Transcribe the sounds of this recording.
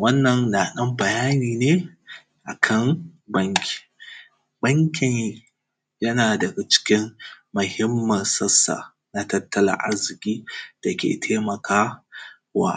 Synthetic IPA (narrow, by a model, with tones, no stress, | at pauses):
wɐ˦nːɐ˨nːaː˨ɗɐ˦mbɐ˨jaː˦niː˨neː˦ | ʔa̰˨kʰɐ˦˨ŋ | bɐ˦ŋkʲʰi̥˨ | bɐ˦ŋkʲɪ˨n | jɐ˦naː˨dɐ˨ɡa˨t͡ʃɪ̥˦kʲɪ˦mːʊ˨hɪ˦mːɐ˨nsɐ˦sːa̰˨ | na˦tɐ˦tːɐ˦la̰˨ʔa̰˦zɪ˨kʲiː˦d̥a˨kʲḛː˨tʰeː˦mɐ˨kʰaː˦ | wa̰˦